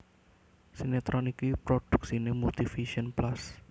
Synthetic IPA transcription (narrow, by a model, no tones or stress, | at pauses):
sinet̪ɾʔɔnikipɾoɖ̥ṳ̥k̚sinemult̪ifiʃɔnplas